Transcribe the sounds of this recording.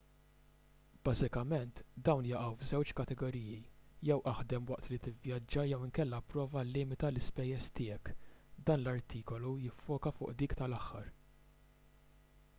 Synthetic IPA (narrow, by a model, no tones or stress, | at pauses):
b̥ɐːzɪkɐmɛnt̪d̪ɐwnjɐʔɐwvzɛwt͡ʃkɐt̪ɛɡɔɾiːjijɛwʔɐħd̪ɛmwɐʔt̪lit̪ɪvjɐd͡ʒːɐjɛwɪŋkɛlːɐpɾɔːvɐlɪːmɪt̪ɐlɪspɛjːɛst̪ɪːɛkd̪ɐːnlɐɾt̪ʰiːkɔlujɪfːɔːkɐfʊːʔd̪iːkt̪ɐlɐħːɐɾ